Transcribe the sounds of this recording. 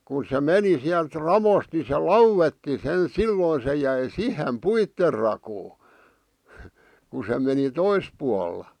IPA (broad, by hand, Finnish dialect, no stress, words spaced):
kun̞ se meni siælt rɑʋost ni se lɑuwetːi sen silːoi se jæi sihem puitːer rɑkoː ku se meni tois puɑlːɑ